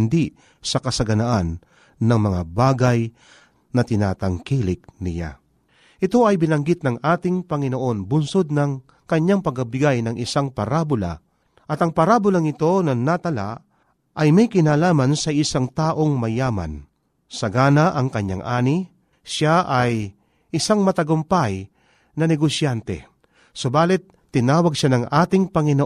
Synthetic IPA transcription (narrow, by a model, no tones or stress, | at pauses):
nd̪i | sɐkɐsɐɡɐnɐʔanː | ɐŋmɐŋabaːɡaj | nɐt̪ɪna̰ːt̪ɐŋkiːlɪk̚nɪ̰ja̰ | ʔɪt̪o̞ɐjbɪnɐŋɡɪt̪̚nɐŋʔaːt̪ɪŋpɐŋɪnoʔo̞nbʊnso̞d̪̚nɐŋ | kɐɲːaŋpɐɡ̚ɐbɪɡajnɐŋʔɪsaŋpɐɾaːbʊla̰ | ʔɐt̪ɐŋpɐɾaːbʊlaŋɪt̪o̞nɐnat̪ɐla̰ʔ | ʔɐjmɛjkɪnaːlaːmɐnsɐʔɪsaŋt̪aːʔo̞ŋmɐjaːma̰n | sɐɡaːnaʔɐŋkɐɲːa̰ŋʔaːni | ʃaʔaj | ʔɪsaŋmɐt̪ɐɡʊmpaj | nɐnɛɡosjant̪ɛ̰ | sobaːlɪt̪̚ːɪnaːwɐɡ̚ʃanɐŋʔaːt̪ɪŋpɐŋɪno